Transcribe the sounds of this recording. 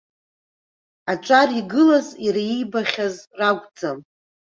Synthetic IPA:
aʈ͡ʂʷʼariɡɨlaziɾaijbaχʲazraɡʷʼd͡zam

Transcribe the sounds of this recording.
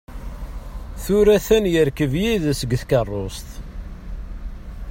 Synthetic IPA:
θuɾæθænjəɾkəvjiðsəɡθkərˤːost̪

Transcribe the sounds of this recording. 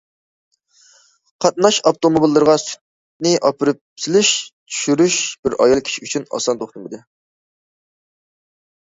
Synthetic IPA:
qʰɑt̪̚nɑʃɑpt̪omobilˠːɨɾʁɑsy̥t̪̚ | nɪʔɑpʰɪɾɪp̚sʰɪlɪʃt̪ʰy̥ʃyɾyʃb̥ɪɾɑ̰jɑlˠkʲʰi̥ʃiyt͡ʃʰynɑ̰sɑnt̪ʰoχt̪ɨmɨd̪ɨ

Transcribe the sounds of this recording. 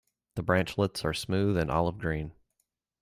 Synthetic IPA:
ðəbɹæ̃nt͡ʃlɪtsə˞smʉðɨ̃nʔɑ̰lˠəvɡɹĩn

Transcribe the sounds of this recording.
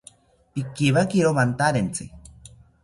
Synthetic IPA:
pikiβakiɾomant̪aɾent͡sɨ̰

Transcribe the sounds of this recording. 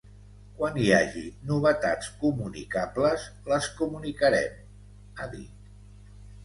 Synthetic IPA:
kwaniaʒinuβət̪at͡skumunḭkapləzləskumunikəɾɛ̰m | aðḭt̪

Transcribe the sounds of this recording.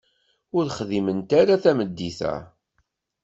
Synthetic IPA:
ʊɾχðimənt̪aɾaθæməd̪ːiθæ̰

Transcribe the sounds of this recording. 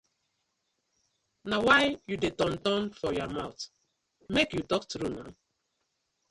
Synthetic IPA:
nawaɪjudetɔ̃ntɔ̃nfɔjɔmaʊt | mekjutɔktɾuna̰

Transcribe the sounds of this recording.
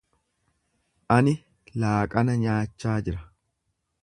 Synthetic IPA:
ʔɐnɪ | laːkʼɐnɐɲaːt͡ʃːaːd͡ʒɪɾɐ

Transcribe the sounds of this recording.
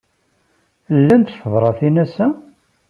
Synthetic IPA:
lːænt̪fəvˤɾˤɑθinæsæ

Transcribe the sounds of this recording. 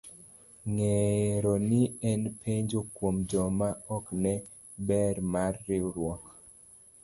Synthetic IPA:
ŋeɾɔnɪɛnpʰeɲd͡ʒokwomd͡ʒɔmaɔknɛ | bɛɾmarːɪɾwɔk

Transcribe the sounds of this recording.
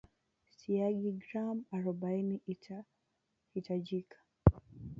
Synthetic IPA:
siaɡiɡɾamaɾɔɓainiia | hitaʄikʰḁ

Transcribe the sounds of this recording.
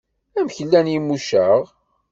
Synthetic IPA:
æmçəlːænjimːuʃəʁ

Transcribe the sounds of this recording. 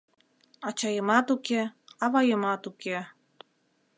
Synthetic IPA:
ɑt͡ɕɑjəmɑt̪ukeɑβɑjəmɑt̪uke

